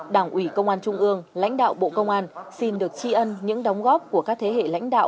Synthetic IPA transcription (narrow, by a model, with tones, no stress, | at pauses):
ɗaː˧˩ŋʔwi˧˩kə˧wŋ͡mʔaː˧nt͡ɕʊ˧ŋ͡mʔɨ˧əŋla̰˧˥jŋ̟ɗa̰ː˧˨wɓo̰˧˨kə˧wŋ͡mʔaː˧nsi˧nɗɨ˨˩ək̚t͡ɕi˧ʔə˧nɲɨ̰˧˥ŋɗɔ˨˦wŋ͡mɣɔ˦˥p̚ku˧˩əkaː˦˥k̚t̪ʰe˨˦hḛ˧˨la̰˧˥jŋ̟ɗa̰ː˧˨wʔ